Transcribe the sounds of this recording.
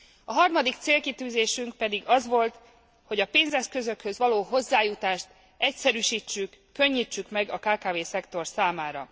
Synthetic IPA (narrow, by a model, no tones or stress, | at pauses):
ɒɦɒrmɒd̪ik̚t̪seːlkit̪yːzeːʃyŋk̚pɛd̪iɡɒzʋo̞lt̪ | ho̞ɟɒpeːnzɛskø̞zø̞khøzʋɒloːɦo̞zːaːjut̪aːʃt̪ | ɛcsɛɾyʃiːt͡ʃːykːø̞ɲːiːt͡ʃːykmɛɡɒkaːkaːveːsɛkt̪o̞rsaːmaːɾɒ̰